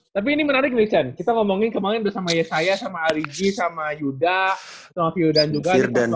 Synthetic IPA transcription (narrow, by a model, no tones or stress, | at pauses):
t̪ap̬iːnimənaɾɪk̚əmisiankit̪aŋɔmoŋɪnkəmaŋɪnbərsamajasajasamaːɾid͡ʒisamajuda | samafiurdand͡ʒuɡada